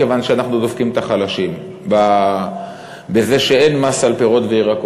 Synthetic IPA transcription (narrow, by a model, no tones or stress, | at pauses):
evanʃeanaχnudofkimt̪aχalaʃim | ba | beze̞ʃe̞e̞nmasalpeʁot̪veiʁako